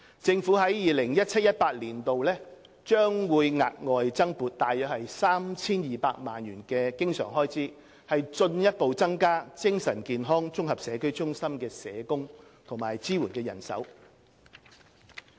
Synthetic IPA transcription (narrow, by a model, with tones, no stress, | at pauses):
t͡sɪ˧ŋfuː˨˥ɦɐ˨˥jjiː˨lɪ˨˩ŋjɐ˥t̚t͡sʰɐ˥t̚jɐ˥t̚paː˧t̚liː˨˩nt̪o˨wlɛː˥ | t͡ʃœː˥ŋwuː˨˧jŋa̰ː˨t̚ŋɔː˨˧jt͡sɐ˥ŋpuː˨˩t̚t̪aː˨jœː˨˥k̚hɐ˨jsaː˥mt͡sʰiː˥njiː˨˩paː˧k̚maː˨njyː˨˩nkɛː˧kɪ˥ŋsœ̰ː˨˩ŋɦɔː˥jt͡sʰiː˨˥ | hɐ˨jt͡ʃɵ˧njɐ˥t̚po˨wt͡sɐ˥ŋkaː˥t͡sɪ˥ŋsɐ˨˩nkiː˨nɦɔː˥ŋt͡ʃʊ˥ŋhɐ˨p̚sɛː˨˧kɵ˥ɥt͡sʊ˥ŋsɐ˥mkɛː˧sɛː˨˧kʊ˥ŋt̪ʰʊ˨˩ŋmaː˨˩jt͡siː˥wuː˨˩nkɛː˧jɐ̰˨˩nsɐ̰˨˥w